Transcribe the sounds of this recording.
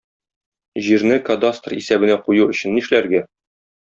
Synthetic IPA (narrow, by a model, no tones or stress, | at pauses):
ʑiɾnɘkɐd̪ast̪rḭsæbɘ̆næqujuɵ̆ɕɘ̆nːiʃlæɾɡæ